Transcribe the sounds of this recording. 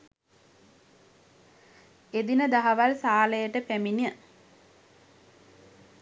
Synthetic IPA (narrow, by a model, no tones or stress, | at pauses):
ed̪inəd̪aɦaʋalsaːləjəʈəpæminiə